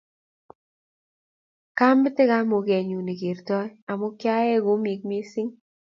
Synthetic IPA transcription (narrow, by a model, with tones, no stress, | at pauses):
ka˦mbɪ˦tɪ˦ka˦mo˨kɛ˨ɲu˨ne˨ke˨ɾtɔ˦ja˨mo˦kja˦ɛ˦ɡo˨˦mi˨k̚me˦si˦ŋ